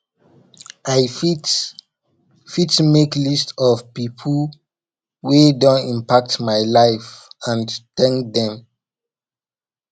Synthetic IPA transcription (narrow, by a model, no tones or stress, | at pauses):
ʔaji | fitmeklistɔvpipʰl | wedɔ̃nĩmpak̚tmajlaɪfãntɛ̃ŋkdɛ̃m